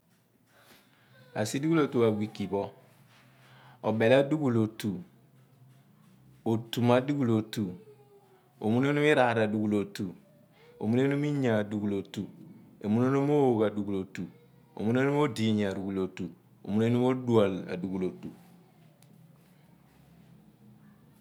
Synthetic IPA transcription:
a̰˨si˦du˦ɡu˦lo˨tu˨wa˨wi˨ki˨bo˦ | o˨be˨la˦du˦ɡu˨lo˨tu˨ | o˨tu˨ma˨du˦ɡu˦˨lo˨tu˨ | o˨mu˦ne˦nu˦mi˦ɾa˨ɾa˨du˨ɡu˨lo˨tu˨ | o̰˨mu˦ne˦nu˦mi˦ɲa˨du˨ɡu˨lo˨tu˨o˨mu˦no˦no˦mo˦wo˨ka˨du˨ɡu˨lo˨tu˨ | o̰˨mu˦ne˦nu˦mo˦di˨ɲ˨a˨ɾu˨ɡu˨lo˨tu˨ | o̰˨mu˦ne˦nu˦mo˦du˦a˨la̰˨du˨ɡu˨lo˨tu˨

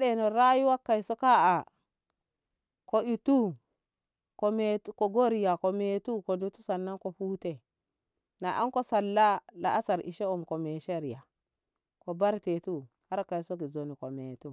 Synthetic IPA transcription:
ɗe˨no˨ɾa˦ju˦wa˦kːa˨i˨so˦ka˦a˨ | ko˨i˨tu˦ | ko˨me˨tko˨ɡo˦ɾi˨ja˨ko˨me˨tu˦ko˨du˨tu˦sa˨nːa˦nko˨ɸuː˦te˦ | na˨ʔa˦ŋko˦sa˨lːa˦la̰˨ʔa˦sa˨ɾḭ˨ʃe˦u˨mko˨me˨ʃe˦ɾja˨ | ko˨ba˦ɾte˨tu˦ | ha˦ɾka˨i˨so˦k̬i˨zo˨ni˨ko˨me˨tu˦

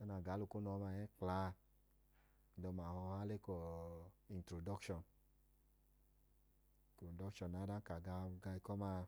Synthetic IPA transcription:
a˦na˨ɡa˨˦lu˨ko˦nɔ˨˦ma˧˨jɛ˦klaː˨˧˦ | dɔ˧ma˨hɔ˧ha˦le˦kɔ˧˦i˨n˨tɾo˨dɔ˦kʃɔ˨n | to˨dɔ˦kʃɔ˨nːa˨˦da˦ka˨ɡa˧ɡa˧i˧kɔ˦ma˧˦˧

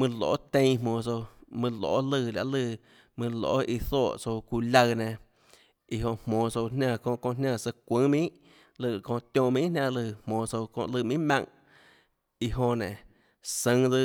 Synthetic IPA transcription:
mɨ̃˧lo̰˨˦t̪ẽ˧jmõː˨so˧mɨ̃˧lo̰ː˨ʔlɨ˧˨la̰˧ʔlɨ˧˨ | mɨ̃˧lo̰˨˦ʔi˧θɔː˦˨ʔso˧wku˧lʲa˧nẽ˨ | i˧ɦo˧˨ʔmõː˨so˧wnnã˧˨kõː˧ʔkõ˧ʔnã˧˨sə˧kʷɨ̃˦mĩ˦ʔ | lɨ˧˨kõ˧ʔt̪jõ˧˨mĩ˦ʔnã˧˨lɨ˧˨mõː˨so˧wkõ̰˧ʔlɨ˧˨mĩ˦mã̰˧ŋ | i˧ɦõ˧nẽ˨ | sə̃˧ŋd͡zɨ˧

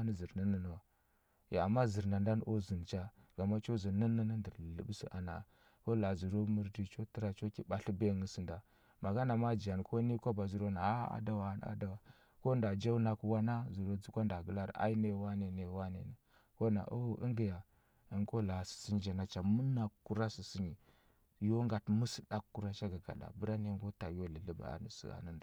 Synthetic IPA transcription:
nə˦zi˨ɾnə˦nə˦n˨a˨ | ja̰˨a˨mːa˦zə˨ɾna˨nda˦n˦o˦zi˨n˨t͡ʃa˦ɡ̥a˨ma˦t͡ʃo˦zi˨ni˦nə˦nə˦ndə˨ɾlə̰˦bsḭ˦ʔa̰˨na̰˨ | ko˦la˨zu˨ɾo˦mə˦ɾdi˦˨t͡ʃo˦ti˦ɾa˨t͡ʃo˦ki˦ba˨ɬi˦be˦˨ŋə˦sə˨nda˨ | ma˨ɡa˦na˨ma˦d͡ʒa˨n˨ko˦ni˦ko˦ba˨zu˨˦ɾo˦na˨a˦a̰˦da˦wa˨˦˨n˨a̰˦da˦wa˨ | ko˦nda˨d͡ʒa˦u˦na˦kwa˦na˦zu˨ɾo˦d͡zu˦kʷa˦nda˨ɡə˦la˦ɾa̰˦i˦ne˨wa˦ne˨ne˨wa˦nḛ˨na˨ | ko˦na̰˨ʔu˦ə˦ŋɡi˨ja˨ | ə˨ŋko˦la˨si̥˨si˦ɲ˦d͡ʒa˨na˨t͡ʃa˨mu˦na˨kːu˦ɾa˦si˨si˦ɲi˨ | jo˦ŋɡa˨tmu˦si˦da˦kkːu˦ɾa˦ʃa˦ɡa˨ɡa̰˨ɗa̰˨bə˦ɾa˦ne˦ŋɡo˦ta˨jo˦lə˨lə˦ba̰˨a̰˨nə̰˨sḭ˦a̰˨nə˦nda˨

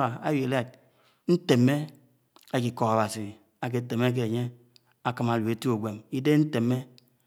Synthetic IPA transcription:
a˨a̰˦je˨la˦˨t̚ | n̩˦te˨mːe˦ | a˨ki˨kɔ˨ɣa˨ba˨si˨ | a˨k̬e˨te˨me˦k̬e˦˨ɲe˦ | a˨kɨ˨ma˨lu˨e˨tu˦o˨ɡʷe˨mi˦de˦n̩˦te˨me˦

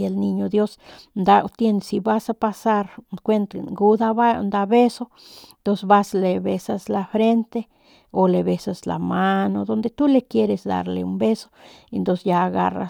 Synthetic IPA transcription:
elni˧ɲo˧d̪jo˦snd̪a˦t̪je˧nsi˧ba˦sa˧pa˧sa˦ɾkʷwe˦nt̪ɡu˦d̪a˦ba˦nd̪a˧be˦so˦ | nt̪onseba˦sle˨be˧sasla˧fɾe˦nt̪e˦ | o˨le˨βe˧sasla̰˨ma˦nod̪o˧nd̪e˧t̪u˦lekje˦ɾe˧sd̪a̰ɾlḛumbe˦so̥ | ent̪onsejaː˧ɣa̰ra̰

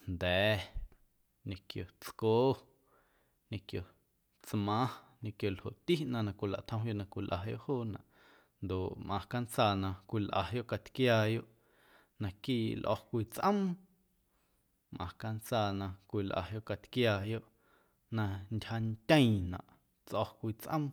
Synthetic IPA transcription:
nd̪ɛː˨˦ | ɲẽ˧kjo˨t͡skoː˦ | ɲẽ˧kjo˨ | t͡smã˦ɲẽ˧kjo˨lho̰˨ʔt̪i˦ʔnã˧nã˧kʷi˨la̰˨ʔt̪ʰə̃˧w̃jo˦˨ʔnã˧kʷi˧lʔa̰˨jo̰˦ʔhoː˦˨nã̰˨ʔ | nd̪o˨ʔmʔã˨ka˦nt͡saː˧nã˧kʷi˧lʔa̰˨jo˦ʔka˧t̪kjaː˧jo˦ʔ | nã˧kiː˦˨lʔɔ̰˧hkʷiː˧t͡sʔə̃˦m | mʔã˨ka˧nt͡saː˧˨nã˧kʷiː˧˨lʔa̰˨jo˦ʔka˧t̪kjaː˧jo˦ʔ | nã˧ntʲha˧nt̪ʲə̃˦ĩ˨nã̰˨ʔ | t͡sʔɔ˧kʷiː˧t͡sʔə̰̃˦m

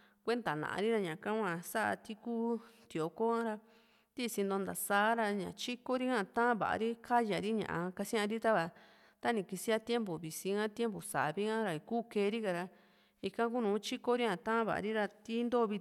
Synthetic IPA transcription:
kʷe˦nd̪a˨nã̰˨ʔa̰˧ɾi˦ɾa˧ɲã˨kã˦kʷã˧sa˦ʔa̰˧t̪i˦kuː˦t̪i˨o˨ko˦ŋã˦ɾa˧ | t̪i˦˧si˧nd̪o˧nd̪a˨saː˦ɾa˧ɲã̰˨t͡ʃi˦ko˦ɾi˦ŋã˦˧t̪ã˦βa̰˨a̰˧ɾi˦kʰa˦ja˨ɾi˦ɲã̰˨ʔã̰˧ka˧sĩ˦ã˧ɾi˦t̪a˦βa˧˨ | t̪a˦nĩ˨ki˧si˧a˦t̪je˦mbo˨βi˨si˧ŋã˦t̪je˦mbo˨sa̰˨βi˦ŋã˦ɾa˧kuː˦keː˧˦˧ɾi˦ka˧ɾa˧ | i˧kã˧k̬u˦nũː˨˦t͡ʃi˦ko˦ɾi˦ã˧˨t̪ã˦βa̰˨a̰˧ɾi˦ɾa˧t̪i˦nd̪o˦˧βi˧

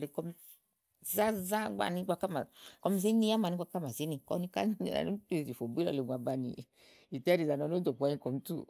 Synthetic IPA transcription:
le˨kɔ˧m˧ | za˦za˦ɡ͡ba̰˨ni˧˦ɡ͡ba˧ka˦ma˨kɔ˧m˧zi˦ni˦a˦ma˨ni˧˦ɡ͡ba˧ka˦ma˨zi˨˦ni˨kɔ̰˧˦ni˧ka̰˦n̰˦˨na̰˨o˦te˦˨zi˨fo˨bi˦lɔ̰˨˧le˨ɡʷa˨ba˧nḭ˨ | i˨tɛ˦ɾi˨za˨nɔ˨˧˦no˦do˨ku˧a˧ɲi˧˦kɔ˨m˦tṵ˦

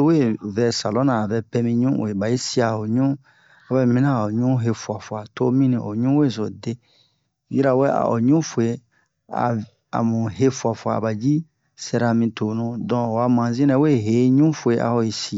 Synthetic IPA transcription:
o˦we˦˨vɛ˨sa˨lɔ˦nãː˨vɛ˧pɛ˧mĩ˧ɲũ˦wo̰˨e˨ba˨ji˦si˦a˨o˨ɲũ˦ | a˨wɛ˦mĩ˦nã˦˨o˨ɲũ˦ɦe˧fu˨a˨fu˨a˨to˦mĩ˦nĩ˨ʔo̰˨ɲũ˦we˦˨zo˨de˦ | ji˦ɾa˨wɛ˦a̰˨ʔo̰˨ɲũ˦fo˨e˦ | a̰˨ | a̰˨mũ˨ɦe˦fu˨a˨fu˨a˨ba˨d͡ʒi˦ | sɛ˧ɾa˧mĩ˧to˨nũ˦dɔ̃˨o˨wa˨mã˨zĩ˦nɛ˨˦we˦ɦe˨˦ɲũ˦fo˨e˨˦ʔa̰˨ho˨ji˨si˨˦˨

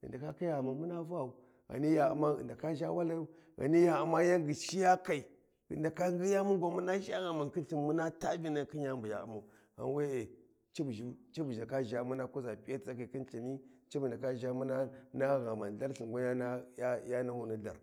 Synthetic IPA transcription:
ə̰˨nda˨ka˦ka˦ja˨ma˨nmu˦na˦va˦˨u˨ | ɣa̰˨ni˦ja˨ṵ˨ma̰˦˨nda˨ka˦ʒa˦wa˦la˦ju˦ | ɣa̰˨ni˦ja˨a˨ma˦ja˦ŋɡi˨ʃi˦ja˦ka˨i˨ | ə̰˨nda˨ka˦ŋɡi˦ja˦mu˦ŋ˦ɡʷa˦mu˦na˦ʃa˦ɣa˨ma˨nki˦ɬi˨nmu˦na˦ta˦vi˦na˨˦ki˦ɲ˦a˦mbu˨ja̰˨ṵ˨ma˨u˨ | ɣa̰˨n˦we˦e˨ | t͡ʃi˦bʒi˦t͡ʃi˦bu˨ʒa˨ka˦ʒa˨mu˦na˦ku˦za˨pi˦ja˦tt͡sa˦ka˨ki˦nɬi˨ni˦t͡ʃi˦bu˨n˨da˨ka˦ʒa˦mu˦na˦na˦ɣa˨ma˨n˨a˦ɾɬi˨ŋɡa˦a˦na˦ja˦ja˦na˦hu˦ni˦ɮa̰˨ɾ

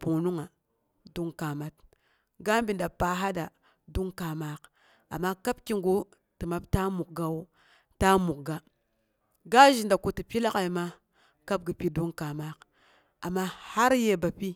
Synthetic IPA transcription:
pu˨nu˦ŋa˨ | du˦ŋka˨ma˦t | ɡa˦mbi˨nda˨pa˨ɦa˦da˨ | du˦ŋka˨ma˦k | a̰˨mːa˦ka˦bki˦ŋɡu˦ | ti˨ma˨˦bta˦mu˨k̚ɡa˨wo˦ | ta˦mu˨k̚ɡa˦ | ɡa˦ʒi˨nda˨ko˨ti˨pi˦la˦ka˨i˨ma˦ | ka˦b̚ɡi˨pi˦du˦ŋka˨ma˦k | a˨mːa˦ha˦ɾje˦ba˨pi˦

